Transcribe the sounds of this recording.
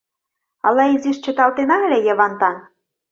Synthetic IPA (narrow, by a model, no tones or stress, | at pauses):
ɑlɑiziʃt͡ɕə̆t̪ɑlt̪enɑə̆lʲejə̆βɑnt̪ɑn